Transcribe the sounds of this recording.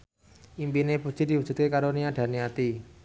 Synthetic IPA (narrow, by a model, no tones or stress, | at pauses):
ʔimpineput͡ʃid̥iwud͡ʒṳt̪̚kekaɾoniad̥a̤niat̪i